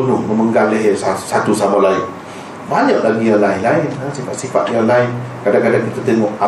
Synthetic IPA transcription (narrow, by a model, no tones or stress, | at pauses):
ənʊhməməŋɡalleɦesasat̪usamalain | baɲəʔlaɡijalainlaɪnəsifat̪̚sifa̰t̪̚jalaɪnkadaŋkadaŋkit̪ət̪əŋɔʔa